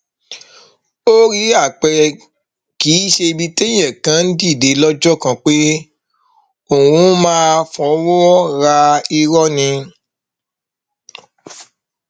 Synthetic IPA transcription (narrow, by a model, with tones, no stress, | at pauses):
o˦ɾi˦a˦˨k͡pɛ˧ | ki˨˦ʃe˧bi˦te˦j̃ɛ̃˦˨kã˨˦n̩˦di˦˨de˨˦lɔ˦d͡ʒɔ˦˨kã˧k͡pe˦ | o˦˨wũ˨˦mãː˦fɔ̃˧˦wɔ˦ɾa˧i˧ɾɔ˦nĩ˧